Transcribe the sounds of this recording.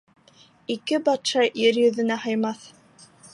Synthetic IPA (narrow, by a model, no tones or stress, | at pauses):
ikɘbɑt̪ʃɑjɘɾjɵ̆ðɘ̆næhɑjmɑθ